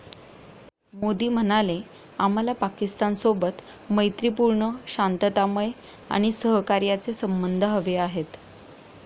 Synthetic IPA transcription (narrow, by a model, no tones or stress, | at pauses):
mod̪iːm̤əñale | am̤alapakist̪ansobət̪ | məjt̪ɾipuɾɳəɕant̪ət̪aməj | a̰ɽ̃isəɦkaɾjat͡sesəmbənd̪ʱəɦəʋeaɦet̪